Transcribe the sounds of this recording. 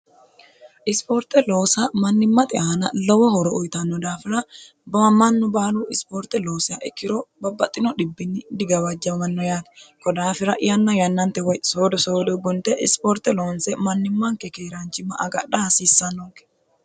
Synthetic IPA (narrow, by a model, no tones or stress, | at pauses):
ʔɪspoɾt̪ɛlo̞ːsɐmɐnːɪmːɐt̪ʼɪʔaːnɐlɔwɔhɔɾɔʊjt̪ɐnːɔd̪aːfɪɾɐ | bɐmɐnːʊbaːluɪspoːɾt̪ɛlo̞ːsɪɐʔɛkːɪɾɔbɐbɐt̪ʼːɪnɔɗɪbːɪnːɪd̪ɪɡɐwɐd͡ʒːɐmɐnːɔjaːd̪ɐ̥kɔd̪aːfɪɾɐʔɪjɐnːɐjɐnːɐnt̪ːɛwɔjsoːd̪ɔso̞ːd̪ɔɡʊnt̪ːɛʔɪspɔɾt̪ɛloːnsɛmɐnːɪmːɐŋkːɛkeːɾɐnt͡ʃːɪmːɐʔɐɡɐɗɐhɐsiːsːɐnːɔkːɛ̥